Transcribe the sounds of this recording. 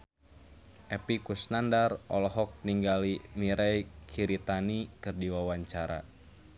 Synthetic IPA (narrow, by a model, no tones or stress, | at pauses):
ʔɛpikusnandarʔɔlɔɦɔk̚niŋɡalimiɾɛjkʰiɾit̪anikɨrdiwawaɲt͡ʃaɾa̰